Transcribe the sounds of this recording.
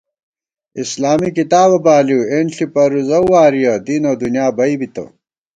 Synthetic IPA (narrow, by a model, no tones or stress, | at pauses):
islaːmikit̪aːβɐbaːliwenɬipɐɾuzɐwwaːɾijɐd̪iːnɐd̪unjaːbɐibit̪ɐ̰